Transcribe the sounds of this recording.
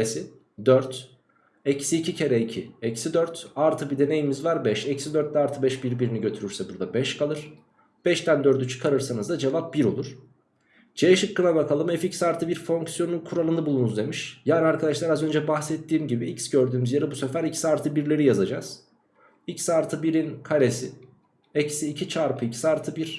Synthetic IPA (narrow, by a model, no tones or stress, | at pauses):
esi | d̪øɾt̪ | ɛcsiːcʰicʰe̞ɾɛicʰiɛcsid̪øɾt̪aɾt̪ʰɯbid̪e̞ne̞jimizvaɾbɛʃɛcsid̪øɾt̪̚d̪ɛaɾt̪ʰɯbɛʃbiɾbiɾiniɟø̞t̪ʰyɾyɾsɛbuɾd̪abɛʃkʰalˠɯɾ̥ | b̥ɛʃt̪ænd̪ø̞ɾd̪yt͡ʃʰɯ̥kʰaɾɯɾsanɯzd̪ad͡ʒevap̚biɾo̞̰lˠuɾ̥ | d͡ʒʰejɛʃɯkːɯnabakʰalˠɯmɛficsaɾt̪ʰɯbiɾfo̞ŋksijo̞nunkʰuɾalˠɯnabulˠunuzd̪e̞miʃjaːniaɾkʰad̪aʃlˠaɾazø̞nd͡ʒɛbaxsɛt̪ːiːmɟibiicsɟø̞ɾd̪yːmyzjaɾɯbusefæɾicʰsaɾt̪ʰɯbiɾlʲe̞ɾijazad͡ʒaz̥ | icsaɾt̪ʰɯbiɾinkʰaɾesi | ɛcsiːcʰit͡ʃʰaɾpʰɯicʰi̥saɾt̪ʰɯbiɾ̥